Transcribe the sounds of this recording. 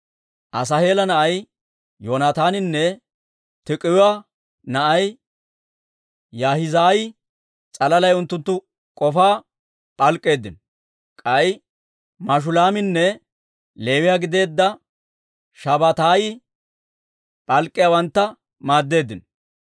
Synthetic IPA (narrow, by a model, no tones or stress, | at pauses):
ʔɐs̬ɐhe̞ːlɐnɐʔɐj | joːnaːt̪aːnɪnːɛ | t̪ɪkʼɪjʊwaː | nɐʔɐj | jaːhɪzaːjɪ | t͡sʼɐlɐlɐjʊnt̪ːʊnt̪ːʊ | kʼɔfaː | pʼɐlkʼːe̞ːd̪ːɪn | kʼɐɪ | mɐʃ̬ʊlaːmɪnːɛ | le̞ːwɪjaːɡɪd̪e̞ːd̪ːɐ | ʃɐbɐt̪aːjɪ | pʼɐlkʼːɪjawɐnt̪ːɐ | maːd̪ːe̞ːd̪ːɪn